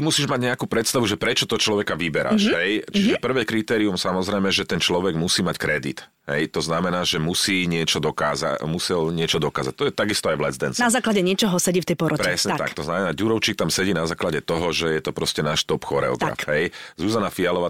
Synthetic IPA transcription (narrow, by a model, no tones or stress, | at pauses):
imusiːʒmaɟɲɛakuːpɾɛt̪st̪aʋuʒɛpɾɛt͡ʃɔt̪ɔt͡ʃlɔʋɛkaʋibɛɾa̰ʃɦɛjt͡ʃiʒɛpr̩ʋɛːkɾit̪ɛːɾiumsamɔzɾɛjmɛʒɛt̪ɛnt͡ʃlɔʋɛɡmusiːmackɾɛd̪it̪ | ɦɛ̰jt̪ɔznamɛnaːʒɛmusiːɲɪɛt͡ʃɔd̪ɔka̰ːza̰musɛlɲɪɛt͡ʃɔd̪ɔkaːzac̚t̪ɔjɛt̪aɡist̪ɔajʋlɛzd̪ɛnsnazaːklaɟɛɲɪɛt͡ʃɔɦɔsɛɟift̪ɛjpɔɾɔpɾɛsɲɛtt̪a̰kt̪ɔznamɛnaːɟuɾɔʊt͡ʃik̚t̪amsɛɟiːnazaːklaɟɛt̪ɔɦɔʒɛjɛt̪ɔpɾɔscɛnaːʃt̪ɔpxɔɾɛ̰ɔ̰ɡɾa̰fɦɛjzuzanafialɔʋaː